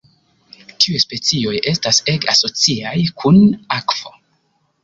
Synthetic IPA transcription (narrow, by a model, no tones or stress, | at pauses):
tiujspe̞t͡sio̞je̞staseɡaso̞t͡siajkʰunakv̥o̞